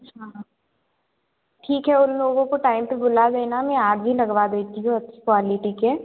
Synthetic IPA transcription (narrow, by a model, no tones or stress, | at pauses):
ɦãː | ʈʰiːkɦɛʊnloːɡõkoʈaːɪmpebʊlad̪eːnamɛ̃aːɡbʱilɐɡʋad̪eːt̪iɦũɐtːt͡ʃʰi̥kʋaːliʈikeː